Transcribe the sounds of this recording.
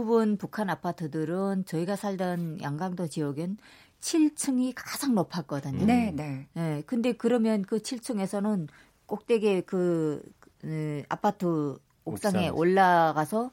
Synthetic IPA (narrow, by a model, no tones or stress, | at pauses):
ubunpukʰanapʰatʰɯdɯɾɯnt͡ɕʌiɡasʰaɭdʌnjaŋɡaŋdot͡ɕiʌɡɯn | t͡ɕʰiɭt͡ɕʰɯŋikḁd͡ʑaŋnopʰak͈ʌdɯɲoenene̞kɯnde̞kɯɾʌmjʌnkɯt͡ɕʰiɭt͡ɕʰɯŋe̞sʰʌnɯn | k͈ok̚t͈e̞ɡe̞kɯ | a̰pʰatʰɯ | okss͈aŋe̞ʔoɭːaɡasʰʌ